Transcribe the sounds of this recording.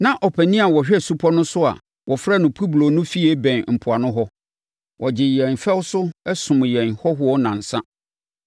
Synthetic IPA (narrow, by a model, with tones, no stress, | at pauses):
nã˦ʔɔ˨pʰæ˨nĩ˦a˨wɔ˨ɕᶣɛ˦˨su˦pʰɔ˦nʊ̃˦sʊ˦a̰˨ | wʔɔ˨fɾa˦˨nʊ̃˨pʰu˦blo˨nʊ̃˦fi˦ɛ˦bɛ̃˨nm̩˨pʰʊ˨a˨nʊ̃˦ɦɔ˦ | wʔɔ˨d͡ʑɪ˨jɛ̃˨nfɛ˦wsʊ˦ɛ˦sʊ̃˨m˨jɛ̃˨nhɔ˦ɦʊ˦ɔ˦nã˨n̩˨sã˦